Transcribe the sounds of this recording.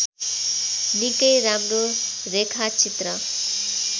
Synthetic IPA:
nikəjɾamɾo | ɾekʰat͡ʃit̪ɾə

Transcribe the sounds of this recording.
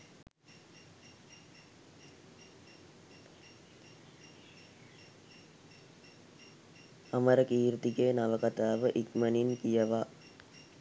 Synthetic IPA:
ɐməɾəkiːɾt̪iɡeːnaʋəkat̪aːʋəʔikməninkijəʋa

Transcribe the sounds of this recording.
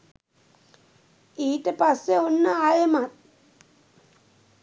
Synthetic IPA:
iːtəpasːeonːəajəmat̪̚

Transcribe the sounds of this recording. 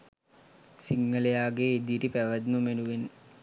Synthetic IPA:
siŋːəlejaːɡeːd̪iɾipæʋəd̪mumenuʋen

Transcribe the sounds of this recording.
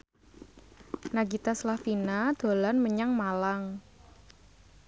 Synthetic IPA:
naɡit̪aslafinad̪̥o̤lanməɲaŋmalaŋ

